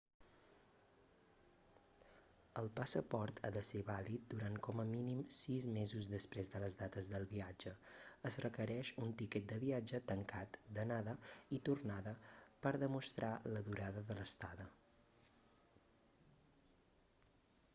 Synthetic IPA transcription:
əlˠpəsəpɔɾt̪ʰa̰ðəseβalit̪̚d̪uɾankɔməminimsizmezuzðəspɾezðələzðat̪əzðəlˠβiad͡ʒəəzrəkəɾɛʃunt̪ikɛt̪̚d̪əβiad͡ʒət̪əŋkat̪d̪ənaðəit̪urnaðəpəɾðəmust̪ɾaləðuɾaðəðələst̪aðə

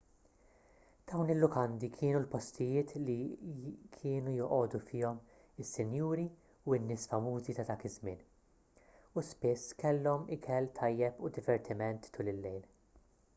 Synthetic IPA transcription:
d̪̥ɐwnɪlːʊkɐnd̪ikʰɪːnulpɔst̪ɪjɪːt̪li | kʰɪːnujɔʔɔːd̪ufɪːɔm | ɪsːɪnjuːɾi | uɪnːɪːsfɐmuːzit̪ɐd̪ɐːkɪzmɪ̰ːn | uspɪsːkɛlːɔmɪkʰɛlt̪ʰɐjːɛpud̪ɪvɛɾt̪ʰɪmɛnt̪ːʊlɪlːɛjn

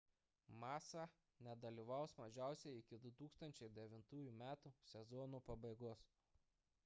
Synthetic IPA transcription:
mɑːsɑ | nʲɛd̪ɐlʲiːˑʋɐˑʊsmɐʒʲæˑʊsʲɛɪɪkʲɪd̪ʊt̪uːkst̪ɐnʲt͡ʃʲɛɪd̪ʲɛʋʲɪnt̪uːjumʲæːt̪usʲɛzɔːnupɐbɐɪɡoːs

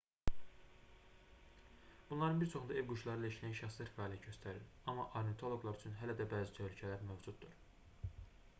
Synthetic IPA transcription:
b̥unlˠɑɾɯnbiɾt͡ʃʰo̞xund̪ɑe̞vɡuʃlˠɑɾɯilæiʃlæjænʃæxslæɾfɑːliæɟø̞st̪ʰæɾiɾ | ɑmɑʔoɾnet̪ʰo̞lˠo̞ɡlˠɑɾyt͡ʃʰynɦælæd̪æbæːzit̪ʰølycʰælæɾmøvd͡ʒud̪ːuɾ

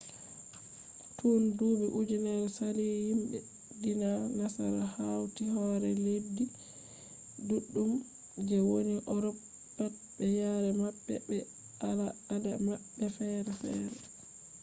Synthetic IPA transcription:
tʰunduːbɛʔud͡ʒɛnɛɾsalihinɗɛ̰ | dinanasa̰ɾahawtihɔɾɛledːi | duɗːum | d͡ʒɛwoniʔɔɾɔpː | at̚ | bɛjaɾɛmaɓːɛbɛ | alaadamaɓːɛfɛɾɛfɛ̰ːɾɛ

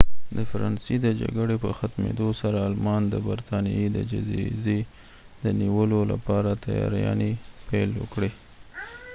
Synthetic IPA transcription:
d̪əfaɾɑnsed̪əd͡ʒa̰ɡəɽepəxat̪mḛd̪osaɾaːlmɑnd̪əbaɾt̪ɑnḭed̪əd͡ʒazize | d̪əniwəlola̰pɑɾat̪ajɑ̰ɾjɑ̰nepajlwə̰kɽi

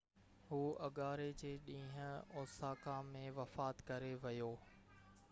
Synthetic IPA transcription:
ɦuːɐɠaːɾed͡ʑeːɗĩːɦə̃ɔːsaːkãmẽʋɐfaːt̪kɐɾeʋɐjoː

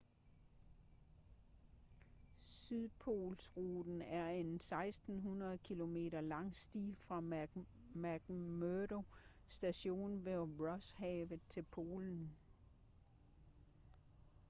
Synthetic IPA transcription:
syðˠpʰo̝̰ːlsʁuːd̥n̩æɐe̝nsɑ̈ɪsd̥n̩ɦunɐð̞̩ˠkʰilo̝me̝̰ːɾɐlɑ̈ŋ̰sd̥ḭːlfʁɑ̈ | mæɡ̥møɾo̝ | sd̥æɕo̝̰ːnʋeʁɒ̽shɛ̰ːʋ̩ˠt͡sʰe̝lpʰo̝̰ːln̩

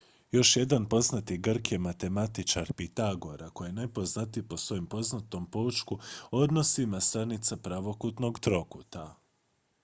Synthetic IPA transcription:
jo̞ʃje̞d̪anpo̞znat̪iɡr̩kje̞mat̪e̞mat̪it͡ʃaɾpit̪aɡo̞ɾako̞jenajpo̞znat̪ipo̞sʋo̞jompo̞znat̪o̞mpot͡ʃkuo̞d̪no̞simast̪anit̪sapɾaʋo̞kut̪no̞ɡt̪ɾo̞kut̪a

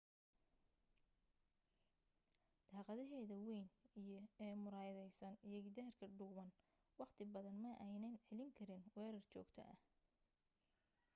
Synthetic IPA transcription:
d̪̥ʰɑːqɑðɐɦɛːðɐwɛjnijɞɛːmʊɾaːjðɛjsɐnijɐɡɪd̪aːrkʰɐɖʊːβɐn | wɑqt̪ʰɪbɐðɐnmɐʔɛjnɐnʕɛlɪŋkʰɐɾɪnwɛːɾɐrt͡ʃɔ̰ːɡt̪ʰɐ̰ʔɐ̰h

